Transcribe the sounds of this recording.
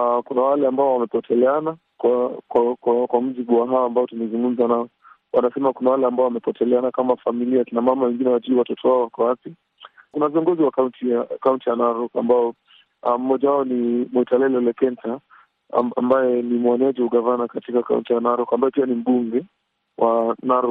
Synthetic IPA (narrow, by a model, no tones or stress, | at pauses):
akunawalɛambaɔwamɛpɔtʰɛlɛana | kwakkwakwam̩ʄiɓuwaɦaambaɔtumɛzuŋɡum̩zanaɔ | wʔanasɛmakunawalɛambaɔwamɛpɔtɛlɛanakamafamiliakinamamawɛŋɡinɛwaʄiuwatɔtʰɔwaɔwakɔwapi | kunaviɔŋɡɔziwakauntikauntijanaɾɔkambaɔ | am̩mːɔʄawaɔnimwɔitalɛlɛlɛkɛnta̰ | mbajɛnimwaniaʄihuɠavanakatikaka̰ṵntijanaɾɔkambaɔpianim̩ɓuŋɡɛ | wʔanaɾɔ